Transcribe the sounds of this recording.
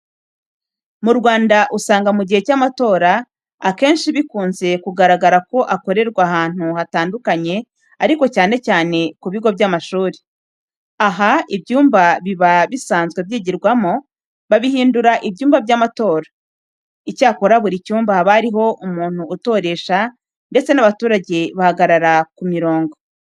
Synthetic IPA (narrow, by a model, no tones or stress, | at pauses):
muɾɡwaːndaʔusaːŋɡamuɟihe̞camato̞ːɾa | ake̞ːnʃiβikuːnze̞kuɡaɾaɡaɾako̞ʔako̞ɾe̞ɾɡwaɦaːn̥huhataːndukaɲe̞ | aɾiko̞caːne̞caːne̞kuβiɡo̞bjamaʃuːɾe | aɦaibjuːmbaβiβaβisaːnzɡwe̞βjiːɟiɾɡwamo | βaβiɦiːnduɾaʔibɟuːmbabɟaːmato̞ːɾḁ | icaːko̞ɾaβuɾicuːmbahaβaɾiɦo̞ʔumuːn̥huːto̞ːɾe̞ʃa | nde̞t͡se̞naβatuːɾaɟeβahaɡaɾaɾakumiɾo̞ːŋɡo̞